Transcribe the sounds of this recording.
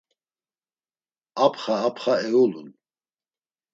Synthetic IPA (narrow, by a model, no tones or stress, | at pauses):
apʰχaːpʰχaɛulun